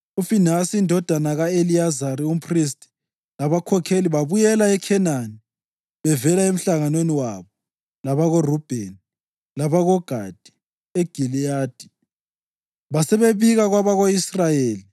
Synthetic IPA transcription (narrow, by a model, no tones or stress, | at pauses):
ufinasiindʱɔd̥ʱanaɣaeliazaɾium̩pʰris̬tʰʼi̥ | laβakʰɔkʰeliβaβujɛlaɛkʰɛnani | βɛvɛlaem̩ɬaŋanweniwaβɔ | laβaɣɔrub̥ʱeni | laβaɣɔɡ̥ʱad̥ʱi̥ | eɡ̥ʱiliaːd̥ʱi̥ | βasɛβeβiɣaɣwaβaɣoisrajeːli